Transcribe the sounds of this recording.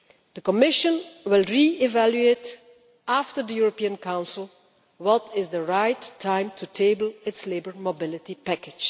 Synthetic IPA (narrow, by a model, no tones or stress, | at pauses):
d̥̪əkɔmɪʃə̃nwɪlˠɹiɪvæljuet | aftəɹdəjuɹopiːə̃nkãʊ̃nsɪlˠ | wɔtɪzdəɹaɪtʰːãɪ̃mtʰutʰeɪbl̩ɪtslebəɹmobɪlɪtipækɪ̥d͡ʒ